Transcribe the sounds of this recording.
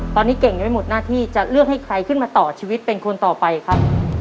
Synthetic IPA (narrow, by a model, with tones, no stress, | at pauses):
t̪ɔː˧nːiː˦˥ke˨˩ŋdu˨˧jmo˨˩t̪̚naː˥˩t̪ʰiː˥˩t͡ɕa˨˩ʔɾɯ˥˩ək̚ha˥˩jkʰɾa˧jkʰɯ˥˩nmaː˧t̪ɔː˨˩t͡ɕʰiː˧wi˦˥t̪̚pe˧nkʰo˧nt̪ɔː˨˩pa˧jkʰa˦˥p̚